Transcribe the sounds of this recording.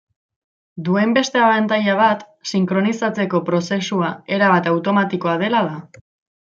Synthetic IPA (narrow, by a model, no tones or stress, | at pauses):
d̪ue̞mbe̞st̪e̞aβant̪ajaβ̞at̪ | siŋkɾo̞nisat͡se̞ko̞pɾo̞se̞suae̞ɾaβ̞at̪awt̪o̞mat̪iko̞að̞e̞laða